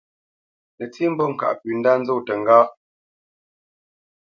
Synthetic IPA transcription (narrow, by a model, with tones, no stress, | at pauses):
nə˨t͡si˦m̩˦bɔ˦˨ŋ̩˨ka̰˨ʔpʉ˨n̩˦da˦n̩˦d͡zo˦˨tə˨ŋ̩˨ɡaː˦